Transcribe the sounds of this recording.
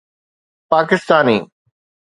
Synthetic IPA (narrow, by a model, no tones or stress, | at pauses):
paːkɪst̪aːnḭː